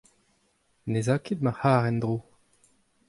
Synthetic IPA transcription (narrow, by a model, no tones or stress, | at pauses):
nezaːked̪̚mahaːʁɛnd̪ʁo